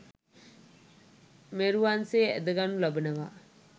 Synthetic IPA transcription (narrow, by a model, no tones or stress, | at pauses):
meɾuʋanseːḛd̪əɡanulɐbənəʋa